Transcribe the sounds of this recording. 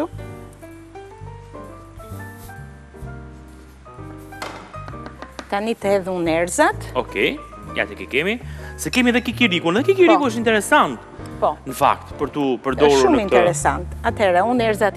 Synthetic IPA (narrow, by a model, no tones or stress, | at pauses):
u | t̪anit̪əhɛðunɛɾzat̪ɔkɛjja̰t̪ɛkɛkɛmisɛkɛmiɛðɛkikiɾikunɛðɛkikiɾpiuəʃint̪ɛɾɛsant̪ | pɔnəfa̰k̚t̪pəɾt̪upəɾd̪ɔɾʃummint̪ɛɾɛsant̪at̪hɛɾɛunɛɾzat̪